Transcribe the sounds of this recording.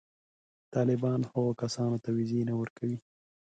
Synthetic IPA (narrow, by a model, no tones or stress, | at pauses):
t̪ɑlɪbɑnhəɣokasɑnot̪awizenawəɾkawi